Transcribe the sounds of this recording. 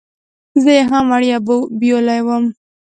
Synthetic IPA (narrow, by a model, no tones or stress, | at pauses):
zəjeɦamaɽijabobijolajwəm